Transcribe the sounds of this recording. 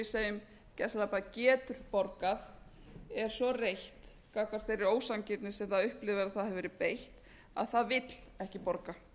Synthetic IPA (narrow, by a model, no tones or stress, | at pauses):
ɪseːjʏm | cɛslapacɛːt̪ʏɾ̥pɔɾkaθ | ɛɾ̥sɔrejht̪ | kakaɾ̥t̪fejrɪɾoːwsancɪt̪nɪ̥sɛmθaðʏhplɪvɪɾaðθaðhɛvɛːɾɪpejht̪ | a̰ðθaðvɪt̪l̥ɛhcɪpɔɾka